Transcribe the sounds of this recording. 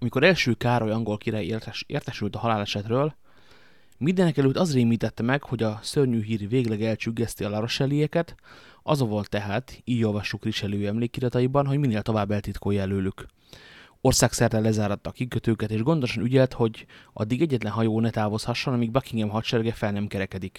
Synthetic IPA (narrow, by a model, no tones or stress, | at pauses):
ɒmiko̞ɾɛlʃøːkaːɾo̞jɒŋɡo̞lkiɾaːjḛːrt̪ɛʃylt̪ɒɦɒlaːlɛʃɛt̪røːl | mind̪ɛnɛkɛløt̪ːɒzreːmiːt̪ɛt̪ːɛmɛɡho̞ɟɒsørɲyːɦiːrveːɡlɛɡɛlt͡ʃyɡːɛst̪iɒlɒɾo̞ʃɛlijɛkɛt̪ɒzovolt̪ːɛɦaːt̪iːɟo̞lvɒʃːukriʃɛløːɛmleːkːiɾɒt̪ɒjibɒnɦoɟmineːlt̪o̞vaːbːɛlt̪it̪koːjɛløːlyk | o̞rsaːksɛrt̪ɛlːɛzaːɾɒt̪ːɒkikøt̪øːkɛt̪eːʒɡond̪o̞ʃɒnyɟɛlt̪ho̞ɟʔɒ̰d̪ːiɡɛɟːɛt̪lɛnɦɒjoːnɛt̪aːvo̞shɒʃːo̞nɒmiɡ̚bɒkiŋɡɛmɦɒʃɛrɡɛfɛlnɛmkɛɾɛkɛd̪ik